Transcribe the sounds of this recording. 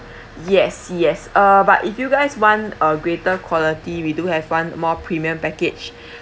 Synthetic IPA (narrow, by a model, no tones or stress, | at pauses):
jɛsjɛsʌbatifjuɡaɪswãnəɡɹetəkʰwɔlitiwiduhɛvwãnmɔpʰɹimiə̃mpɛkɪt͡ʃ